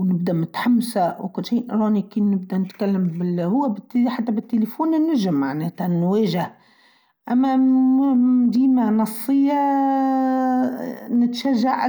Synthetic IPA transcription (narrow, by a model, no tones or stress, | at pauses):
nɪb̚d̪æmɪt̪ħamːsawkʊlːʃiːʔɾˤɑːnikinnɪb̚d̪ænɪt̪kalːɪmbɪhʊwːæbɪt̪ːħat̪ːæbɪt̪ːelefuːnnːʊʒɪmːaʕneːt̪aʕnːwɛːʒah | ʔæmːæ | d̪iːmanɑsˤːɨjːa | nɪt̪ʃæʒːaʕ